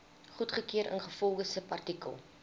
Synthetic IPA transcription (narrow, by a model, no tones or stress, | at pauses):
χutχəkiəɾə̰nχəfɔlˠχəsəpɐrtikə̰lˠ